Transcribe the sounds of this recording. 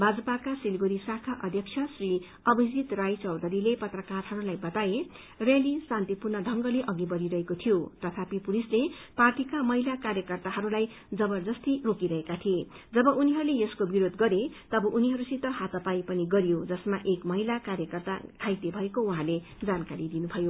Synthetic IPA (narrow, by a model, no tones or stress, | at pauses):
bʱad͡zʌpakasilɡoɾisakʰaʔʌd̪ʱjʌk̚t͡sʰʌsri | ʌbʌd͡zit̪rajt͡sʌwd̪ʱʌɾilepʌt̪rʌkarɦʌɾulajbʌt̪ae | relisãnt̪ipurnʌd̪ʱʌŋɡʌleʔʌɡibʌɾiɾʌɦekot̪ʰijot̪ʌt̪ʰapipulisleparʈikamʌɦilakaɾjʌkʌrt̪aɦʌɾulaj | d͡zʌbʌrd͡zʌst̪irokiɾʌɦekat̪ʰied͡zʌbʌʔuniɦʌɾulejʌskobiɾod̪ɡʌɾet̪ʌbʌʔuniɦʌɾusit̪ʌɦat̪ʌpajpʌniɡʌɾijod͡zʌsmaʔekmʌɦilakaɾjʌkʌrt̪a̰kʰajt̪ebʱʌekouɦãle | d͡zankaɾid̪inubʱʌjo